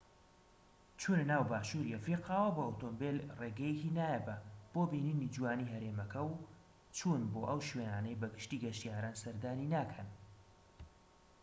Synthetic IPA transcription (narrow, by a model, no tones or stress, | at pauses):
t͡ʃʰuːnnaːwbaːʃuːɾiɐfɾiqʰaːwɐbɐot̪oːmbelreːɡɛjkinaːjɛbɐb̥oːbiniːnid͡ʒuwaːniːɦɐɾemɐkʰɐw | t͡ʃʰuːnboːʔɐwʃweːnaːnɐjbɐɡɨʃt̪iːɡɐʃt̪ijaːɾaːnsɐɾd̪aːninaːkʰɐn